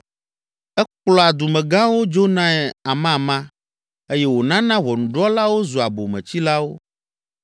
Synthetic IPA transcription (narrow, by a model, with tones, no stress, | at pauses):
ɛ˦k͡plɔ˦a˨d̪u˨mɛ̃˨ɡã˦wo˦d͡ʒo˦nã˦ɛ˨a˨mã˦˨mã˦ | e˦jɛ˦wo˨nã˦nã˦vɔ˨nũ˨ɖɔ˦la˦wo˦zu˨a˨bo˨mɛ̰̃˨t͡ɕi˦la˦wo˦